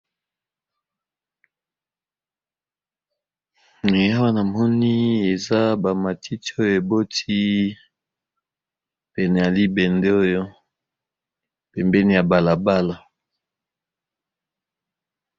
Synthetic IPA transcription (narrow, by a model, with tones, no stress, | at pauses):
e˨ja˦wa˦na˨mɔ˦ni˦e˨za˦ba˨ma˨tʰi˦ti˦o˦jo˦˨e˨bo˦ti˦ | pɛ˨nɛ˨ja˨li˦bɛ˨nde˦o˦jo˦ | pɛ˨mbɛ˦ni˦ja˨ba˨la˨ba˦la˨